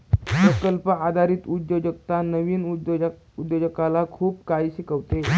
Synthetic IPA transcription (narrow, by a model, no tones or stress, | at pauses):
sɾəkəlpəad̪ʱaɾiːt̪ud̪jod͡ʒəkt̪anəʋiːnu | ud̪jod͡ʒəkalakʰuːp̚kaiɕikəʋt̪e